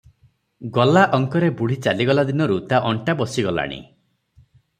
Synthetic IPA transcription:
ɡɔlaʔɔŋkɔɾebuɽ̤it͡ʃaliɡɔlad̪inɔɾut̪aʔɔɳʈabɔsiɡɔla̰ɽ̃ḭ

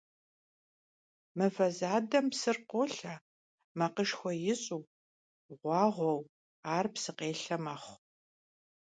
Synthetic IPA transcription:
mɨvɐzaːdɐmpsɨrqʷoɬa | mɐqəʂxʷɔjɪɕʼuː | ʁʷɑːʁʷɔw | aːrpsɨqeːɬɐmɐχʷ

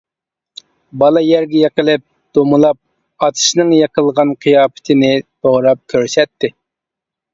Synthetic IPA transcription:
bɑlˠɑjɛɾɡʲɛjeqəlˠɪp̚ | d̪̥omɨlˠɑp̚ | ɑt̪ʰɨ̥ʃnɨŋjɑqʰəlˠʁɑnqʰijɑːpɪ̥t̪ʰɪnɪd̪̥oʁɾɑp̚kʲʰøɾsɛt̪ʰːɪ

